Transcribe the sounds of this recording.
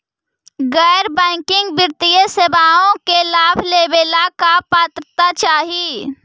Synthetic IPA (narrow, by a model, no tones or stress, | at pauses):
ɡɛːɾbɛ̃ːkɪ̃ŋɡbɪɾt̪ijəsebaːõkelaːbʱleːbeːlakapaːt̪ɾət̪at͡ʃaːɦi